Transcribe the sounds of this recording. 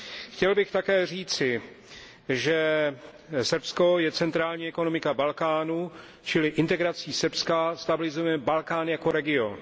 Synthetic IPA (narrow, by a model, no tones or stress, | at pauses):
xcɛlbɪxt̪akɛːr̝iːt͡sɪ | ʒɛ | sr̩psko̞jɛt͡sɛnt̪ɾaːlɲiːɛkonomɪkabalkaːnu | t͡ʃɪlɪʔɪnt̪ɛɡɾat͡siːsrpskast̪abɪlɪzojɛbalkaːnjako̞ɾɛɡɪon